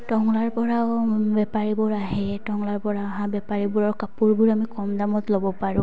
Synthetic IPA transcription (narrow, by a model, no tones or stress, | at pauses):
tɔŋlaɹpɔɹaʊbɛpaɹibɔɹaɦɛtɔŋlaɹpɔɹaaɦãbɛpaɹibuɹɔɹkapuɹbʊɹamikɔmdamɔtlobɔpaɹʊ̃